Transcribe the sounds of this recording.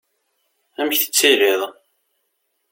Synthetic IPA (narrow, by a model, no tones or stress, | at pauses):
æməçθə̥t͡sːiɾiðˤ